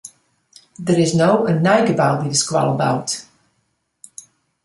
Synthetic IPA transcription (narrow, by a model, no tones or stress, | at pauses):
ðəɹɪznoʊʔənaɪɡəbaʊdiɾəskwɔ̰lˠəbaʊt